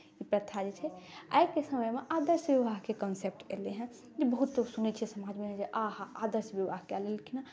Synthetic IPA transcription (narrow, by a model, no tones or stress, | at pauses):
ipɾət̪ʰad͡ʒet͡ʃʰɛa̰jkesəməjmeʔad̪əɾsbiʋaɦkekənsep̚ʈḛleɦɛ̃ | d͡ʒebəɦut̪ːosunɛt͡ʃʰsəmad͡ʒmeɦɛ̃d͡ʒeʔaɦaad̪əɾsbiʋaɦkɛlelkina